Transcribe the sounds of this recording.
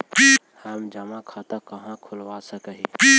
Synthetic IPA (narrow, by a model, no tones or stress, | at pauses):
pi | həmd͡ʒəmakʰat̪akəɦãkʰulʋasəkəɦipi